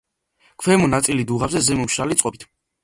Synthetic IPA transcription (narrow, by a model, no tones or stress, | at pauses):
kʰwɛmɔnat̪sʼilid̪uʁazɛzɛmɔmʃalit̪sʼqʼɔbit̪ʰ